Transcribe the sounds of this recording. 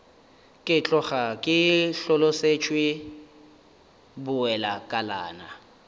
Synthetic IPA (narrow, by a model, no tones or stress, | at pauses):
kʼɪt͡ɬʼɔχakʼɪɬɔloset͡ʃʰʼwɪ | bʊɛlakʼala̰ːna